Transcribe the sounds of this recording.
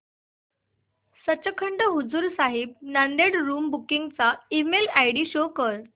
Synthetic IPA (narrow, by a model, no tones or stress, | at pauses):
sət͡ɕəkʰəɳɖəɦud͡zuːɾsaɦib̚nand̪eɽɾuːmbukiŋɡt͡saimelajɽiːɕokəɾ